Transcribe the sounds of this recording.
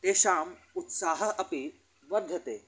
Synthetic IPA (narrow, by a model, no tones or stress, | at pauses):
t̪eːʃaːm | ʊt̪saːɦɐʔɐpi | ʋɐd̪ʱːɐt̪eː